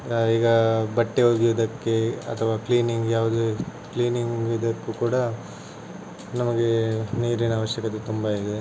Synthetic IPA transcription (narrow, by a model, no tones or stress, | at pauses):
iːɡɐbɐʈːeɦoːɡiod̪ɐkːe̞ɐ̰t̪ʰɐʋaːkliːniŋɡjaːʋud̪ukliːniŋɡɡid̪ɐkːukuːɽɐ | nɐmɐɡe̞niːɾinɐːʋɐʃjɐkɐt̪ːet̪umbɐid̪e